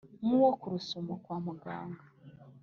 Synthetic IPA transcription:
muwokuɾusumokwaːmuɡa̰ːŋɡa

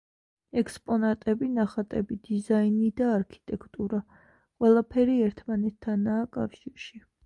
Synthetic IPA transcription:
ɛkspʼɔnat̪ʼɛbinaχat̪ʼɛbid̪̥izainid̪aːɾkʰi̥t̪ʼɛkʰt̪ʼuɾa | qʼwɛlˠapʰɛɾiɛɾt̪ʰmanɛt̪ʰːanaːkʼa̰fʃiɾʃi

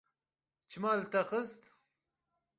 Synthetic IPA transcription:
t͡ʃʰɨmaːlt̪ɐxəst̪

